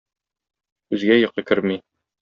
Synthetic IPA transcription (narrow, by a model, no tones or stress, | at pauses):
ʉzɡæjɤ̆qːɤkɘɾmi